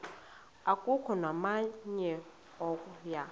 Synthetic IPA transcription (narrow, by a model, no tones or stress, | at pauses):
akʼukʰɔnwamaɲɛ | ɔkʼuja